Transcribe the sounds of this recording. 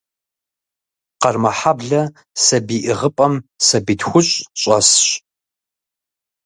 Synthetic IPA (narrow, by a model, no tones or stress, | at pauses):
qɐrmɐħabɮɐ | sɐbiːʔɪʁəpʼɐmsɐbiːtxʷʊɕʼɕʼɐ̰sɕ